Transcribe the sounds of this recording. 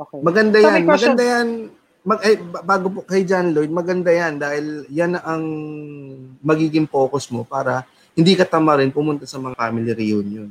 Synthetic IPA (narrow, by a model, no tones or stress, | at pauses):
okmɐɡɐnd̪ajanmɐɡɐnd̪ajɐn | mɐʔɐjbaːɡop̬okɐjd͡ʒanlojd̪̚mɐɡɐnd̪ajɐnd̪aːhɪljanɐʔɐŋ | mɐɡiːɡɪŋpo̞ːkosmo̞paːɾɐ | hɪnd̪ikɐt̪ɐmaɾɪnpʊmʊnt̪ɐsɐmɐŋafaːmɪlɪɾionjon